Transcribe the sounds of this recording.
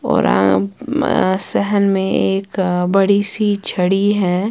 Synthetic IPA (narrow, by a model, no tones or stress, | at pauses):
ɔ̰ːɾã̰ | sɛɦənmẽeːkbɐɽisiːt͡ʃʰɐɽiɦɛː